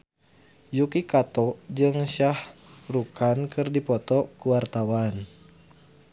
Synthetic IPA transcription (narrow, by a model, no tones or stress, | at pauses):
jukikat̪ɔd͡ʒɨŋʃahrukankɨrdipɔt̪ɔkuwart̪awan